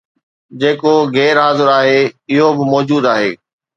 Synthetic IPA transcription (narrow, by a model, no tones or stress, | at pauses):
d͡ʑeːkoɣɛːɾɦaːzɪɾaːɦeɪɦobɪmɔːd͡ʑuːd̪aːɦeː